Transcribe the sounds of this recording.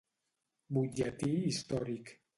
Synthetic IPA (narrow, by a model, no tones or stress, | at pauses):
bud͡ʒat̪iist̪ɔɾik